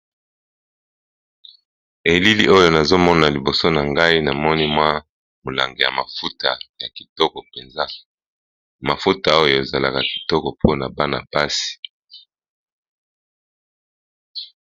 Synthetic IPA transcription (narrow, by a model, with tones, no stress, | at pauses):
e˨li˦lḭ˦ʔo˦jo˦˨na˨zo˦mɔ˦na˨li˨bo˨so˦na˨ŋɡa˦i˦na˨mɔ˦ni˦mwa˦ | mo˨la̰˨ŋɡe˨ja̰˨ma˨fu˦ta˨ja˨ki˨tɔ˦kɔ˨pe˨nza˦ | ma˨fu˦ta˨o˦joo˨e˨za˨la̰˨ka˨ki̥˨tɔ˦kɔ˨pʰo˦na˨ba˦na̰˨ba˦si̥˨